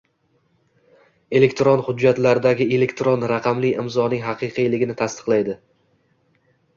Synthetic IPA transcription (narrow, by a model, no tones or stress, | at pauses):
e̞le̞kʲt̪ɾonhʊd͡ʒːat̪laɾd̪aɡʲɪe̞le̞kʲt̪ɾonɾaqʰɑmlɪjʔɪmzɒnɪŋɦɑqʰɨjqʰɨjlɪɡʲɪnɪt̪ʰast̪ɨ̥qlˠajd̪ɪ